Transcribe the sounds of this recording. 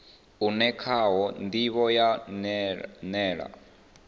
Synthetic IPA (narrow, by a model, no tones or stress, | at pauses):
unɛkʰaɦɔnd̪iβɔja | nɛːɺa̰